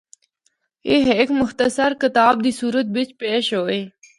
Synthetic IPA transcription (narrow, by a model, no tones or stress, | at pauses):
iɦeːkmʊxt̪əsəɾkɪt̪aːb̚d̪isuːɾət̪̚bɪt͡ɕpeːɕoːe